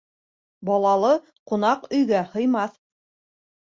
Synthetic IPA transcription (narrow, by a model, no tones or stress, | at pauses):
bɑlˠɑlˠɤ | qŏnɑqɵ̆jɡæhɤ̆jmɑθ